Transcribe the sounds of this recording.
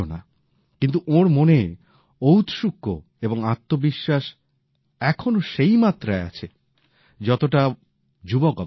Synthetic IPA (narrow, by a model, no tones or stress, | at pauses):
ona̰ | kint̪uʔoɾmone | owt̪ʃukːo̰ | eboŋat̪ːobiʃːaʃ | ɛkʰonoʃejmat̪ːɾaea̰t͡ɕʰe | d͡ʑɔt̪oʈa | d͡ʑubokɔ